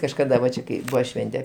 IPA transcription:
kɐʃkɐˈdɐ ʋɐ ˈt͡ʃʲɛ kɐɪ ˈbʊʋɐ ˈʃʲʋʲɛnʲtʲɛ

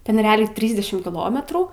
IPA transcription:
ˈtʲɛn rʲɛˈɑːlʲɛɪ ˈtʲrʲiːzʲdʲɛʃʲɪm kʲɪˈlˠoːmʲɛtruː

